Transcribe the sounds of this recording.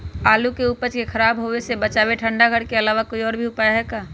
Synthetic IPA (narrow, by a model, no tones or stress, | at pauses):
aːlukeupət͡ʃkexʰəɾaːbɦoʋesebət͡ʃaːʋeʈʰə̃ɳɖaɡʱəɽkeɐlaːʋakoiɔːɾbʱiʊpaːjɦɛːkaː